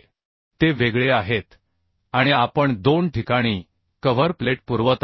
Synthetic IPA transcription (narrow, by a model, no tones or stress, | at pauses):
t̪eʋeɡɭeaɦet̪ | aɽ̃iapəɳd̪onʈʰikaɽ̃iː | kəʋəɾpleʈ̚puɾʋət̪